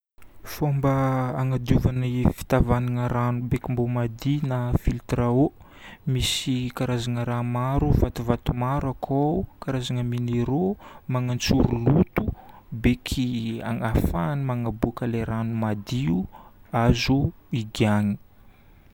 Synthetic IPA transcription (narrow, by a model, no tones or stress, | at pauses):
fombəːŋad̪uvanifi̥t̪avanaŋəɾanubekimbomad̪inafilt̪ɾao | misikaɾazaŋəɾamaɾuvat̪uvat̪umaɾakʰakaɾazaŋəmineɾomaŋant͡suɾulut̪ubekʰia̰ŋafanimaŋabukaleɾanumad̪iuazuiɡiaŋi̥